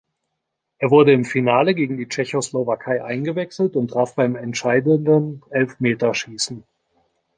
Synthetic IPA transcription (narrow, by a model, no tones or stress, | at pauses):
ʔeːɐvʊɐdəɪmfinaːləɡeːɡŋ̩diːt͡ʃɛçoslovakʰaɪʔaɪnɡəvɛksl̩tʊnt̚d̥ʁ̥aɐfb̥aɪmɛntʃaɪdəndənʔɛlfmeːtɐʃiːsn̩